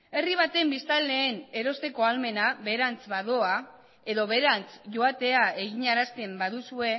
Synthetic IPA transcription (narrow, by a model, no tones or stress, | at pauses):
e̞riβ̞at̪e̞mbist̪alːe̞ːne̞ɾo̞st̪e̞ko̞alme̞naβe̞ɾant͡sβaðo̞a | e̞ðo̞βe̞ɾant͡sʝo̞at̪e̞ae̞ɣiɲaɾast̪e̞mbaðusue̞